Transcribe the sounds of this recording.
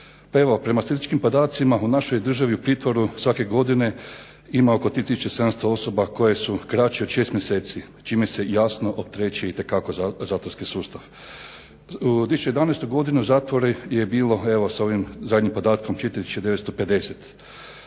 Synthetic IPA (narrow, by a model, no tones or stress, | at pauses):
pae̞ʋo̞pɾe̞masizit͡ʃkimpo̞d̪aːt̪simaunaʃo̞jd̪r̩ʒaʋiupɾiːt̪ʋo̞ɾusʋake̞ɡo̞d̪ine̞ | imao̞ko̞t̪ɾiːt̪isut͡ʃesed̪amst̪oo̞sobako̞je̞sukɾat͡ʃeod̪ʃe̞ːst̪mjeseːt̪si | t͡ʃiːmese̞jaːsno̞ʔopt̪ɾeːt͡ɕieit̪e̞kako̞zaːt̪ʋoɾskisuːst̪aʋ | ut̪ʋisut͡ʃejed̪aneːst̪uɡo̞d̪inuzaːt̪ʋo̞ɾeje̞biːlo̞e̞ʋo̞sao̞ʋimzad̪ɲimpo̞d̪aːt̪kʰo̞mt͡ʃet̪ɾt̪iut͡ʃed̪e̞ʋet̪st̪ope̞d̪e̞set̪